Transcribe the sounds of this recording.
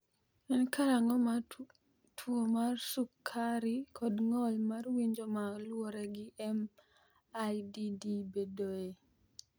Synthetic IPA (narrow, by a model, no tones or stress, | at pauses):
ɛnkaɾaŋɔma | tʰwomarsukʰːaɾikʰɔdŋɔlmarwiɲd͡ʒomalwɔɾɛɡɪʔɛm | ajdidibedoe